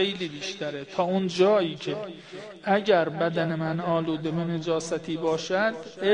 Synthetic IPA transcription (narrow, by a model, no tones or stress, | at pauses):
ejliːbiːʃt̪æɾe̞t̪ʰɒːund͡ʒɒːiːcʰe̞ | æɟæɾbæd̪æne̞mænɒːluːd̪e̞bened͡ʒɒːsæt̪ʰiːbɒːʃæd̪e